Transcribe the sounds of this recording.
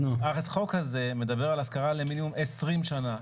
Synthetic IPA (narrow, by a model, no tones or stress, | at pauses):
aʁetχo̞khaze̞me̞d̪abeʁalaskaʁaleminimumesʁimʃana